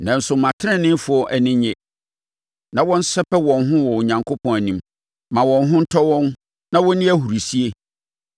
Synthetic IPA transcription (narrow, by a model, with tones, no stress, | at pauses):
nã˨n̩˨sʊ˨mã˨tʰɪ˦ɛ̃˦nɪ̃˦fʊ˨ɔ˦ʔæ˨nɪ̃˦ɲɛ̃˨ | nã˨wɔ̃˦n̩˦sɛ˦pʰɛ˦wɔ̃˨nɦʊ̃˦wɔ˨ɲã˨ŋkʰo˦pʰɔ̃˨næ˨nĩ˦m | mã˨wɔ̃˨nɦʊ̃˦n̩˦tʰɔ˦wɔ̃˦n | nã˦wɔ̃˦nɪ̃˦æ˦ɦu˨ɾi˨si˦e˦